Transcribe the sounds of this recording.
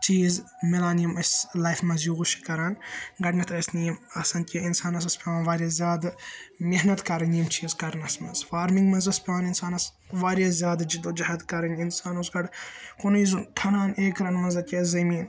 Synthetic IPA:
t͡ʃiːzmilaːnijɐmɐsʲlajfmɐnzjuɣuʃi̥kɐɾaːnɡɐɖnɐt̪ʰɐsnijmɐsɐnkʲiinsaːnɐs̬ɐspʲeʋaːnʋaːɾjɐzʲjaːd̪meɦnɐt̪kɐɾɐnijmt͡ʃiːzkɐɾnɐsmɐzfaːɾmiŋɡmɐnzɐspʰʲeʋaːninsaːnɐs | ʋaːɾjɐzʲjaːd̪d͡ʒid̪od͡ʒɐɦɐd̪kɐɾɐnʲinsaːnuzɡɐɖkonizunt̪ʰɐnaːneːkɾɐnmɐnzɐkʲezɐmiːn

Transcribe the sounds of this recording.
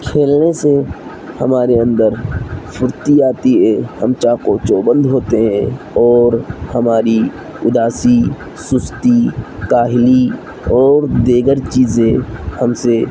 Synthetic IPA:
kʰeːlnese | həmaːɾeə̃nd̪əɾpʰʊɾt̪iaːt̪iɦɛːhəmt͡ʃaːkoːt͡ʃoːbə̃nd̪ɦoːt̪eɦɛ̃ | ɔːɾhəmaːɾi | ʊd̪aːsi | sʊst̪ikaːɦɪli | ɔːɾd̪eːɡəɾt͡ʃiːzẽhəmse

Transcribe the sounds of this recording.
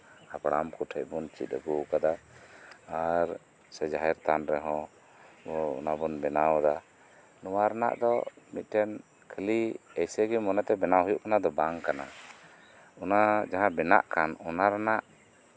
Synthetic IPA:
apɽamkuʈʰəc̚bɔnt͡ʃḭt̪̚əɡukad̪aː | ɾ | sɛd͡ʒaɦɛɾt̪anɾɛɦɔ̃ | ɔṵnabɔnbɛnawd̪a | nuwaɾana̰ʔd̪ɔmit̪̚ˀʈɛn | kʰəliɛjsɛɡɛmɔnɛt̪ɛbɛnawɦujuʔkanad̪ɔbaŋkana̰ | ɔnad͡ʒaɦãbɛna̰ʔkanɔnaɾanaʔ

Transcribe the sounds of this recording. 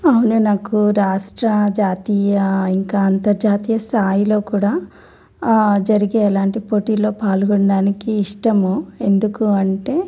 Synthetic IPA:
ɐwununaːkuɾaːʂʈɾɐd͡ʒaːt̪iːjɐiŋkaːnt̪ɐɾd͡ʒaːt̪iːjɐst̪ʰaːjilo̞ːkuːɽaː | d͡ʒɐɾiɡeːlaːɳʈipo̞ʈiːlo̞ːpaːluɡɔɳɖaːnikiːʂʈɐmue̞nd̪ukuɐɳʈe̞ː

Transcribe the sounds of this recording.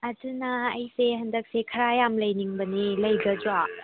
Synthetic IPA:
ɐdunɐɐjseɦɐndɐk̚sekʰɐɾajamlɐjniŋbɐnilɐjɡɐd͡ʒuwa

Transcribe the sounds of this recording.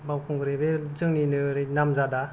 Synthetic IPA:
bawkʰuŋɡɯɾebezɯŋninɯɾenamzada

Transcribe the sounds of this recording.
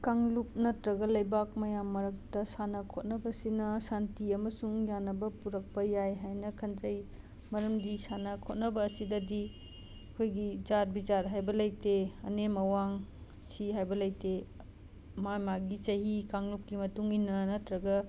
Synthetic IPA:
kaŋlup̚nɐtɾɐɡɐlɐjbak̚mɐjamːɐɾɐk̚tɐsanɐkʰot̚nɐbɐsinɐsantiɐmɐsuŋjanːɐbɐpuɾɐk̚pɐjajɦajnɐkʰɐnd͡ʒɐj | mɐɾɐmdisanɐkʰot̚nɐbɐːsidɐdi | ɐkʰojɡid͡ʒaɾbit͡ʃaɾɦajbɐlɐjteɐ̰nemɐwaŋ | siɦajbɐlɐjte | mamaɡit͡ʃɐɦikaŋlup̚kimɐtuŋinɐnɐtɾɐɡɐ

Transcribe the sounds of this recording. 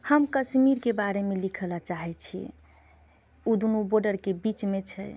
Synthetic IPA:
həmkəʃmiɾkebaɾemelikʰəlat͡ʃaɦɛt͡ʃʰi | ud̪unuboɖəɾkebit͡ʃmet͡ʃʰɛ̰

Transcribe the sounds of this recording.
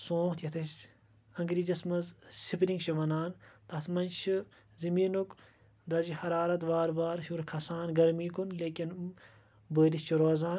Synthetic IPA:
sõːt̪jɐt̪ʰɐ | ɐŋɡɾiːd͡ʒɐsmɐzsipɾiŋɡʃɐʋɐnaːnt̪ɐt̪ʰmɐnt͡ʃʰi | zɐmiːnuk | d̪ɐzihɐɾaːɾɐt̪baːɾbaːɾʃuɾkʰɐsaːnɡɐɾmiːkunleːkʲin | bəːɾist͡ʃʰuɾoːzaː

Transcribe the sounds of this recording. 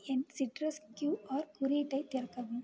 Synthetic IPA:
ɛnsɪʈɾɐskjuːaːɾkʊɾiʈːɐɪt̪ːɪɾkːɐʋɯm

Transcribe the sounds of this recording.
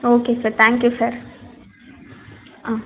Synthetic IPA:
oːkesəɾt̪ʰæ̃ŋkjusɐɾ | ã

